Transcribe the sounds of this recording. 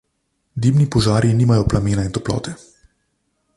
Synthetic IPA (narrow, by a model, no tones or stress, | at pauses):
d̪iːbnipɔʒaːɾjiniːmajɔplameːnaint̪ɔplɔ̰ːt̪ɛ